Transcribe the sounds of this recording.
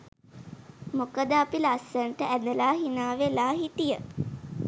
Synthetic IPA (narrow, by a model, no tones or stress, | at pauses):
mokəd̪əapilasəɳʈəʔæd̪əlaːɦinaːʋelaːɦit̪ijə